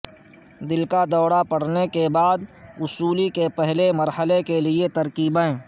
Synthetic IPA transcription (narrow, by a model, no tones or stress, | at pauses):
d̪ɪlkad̪ɔːɽapɐɽ̤nekebaːd̪ʊsuːlikepɛɦlemɐɾhəlekeliet̪ɐɾkiːbeɛ̃ː